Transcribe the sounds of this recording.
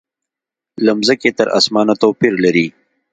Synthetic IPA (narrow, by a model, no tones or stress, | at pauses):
lɐmzəket̪əɾʔa̰smɑːnat̪opiɾlaɾi